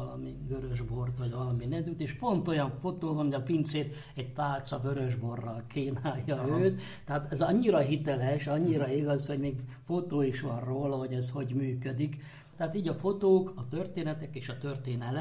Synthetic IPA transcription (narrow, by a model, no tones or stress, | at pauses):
lɒmiɡøɾøʒbo̞rt̪ʋɒɟʋɒlɒminɛd̪yt̪eːʃpo̞nt̪o̞jɒɱfo̞t̪oːvɒnɦoɒpint̪seːt̪ | ɛɟ̚t̪aːlt̪sɒvøɾøʒbo̞rːɒlkʰeːnaːjːɒyːt̪ːɛɦat̪ɛzɒɲːiɾɒɦit̪ɛlɛʃɒɲːiɾɒiɡɒsho̞ɟmeːɡfo̞t̪oːiʃʋɒrroːlɒɦo̞ɟɛzho̞ɟmyːkød̪ik | t̪ɛɦaːt̪iːɟɒfo̞t̪oːkɒt̪ørt̪eːnɛt̪ɛkeːʃɒt̪ørt̪eːnɛlɛ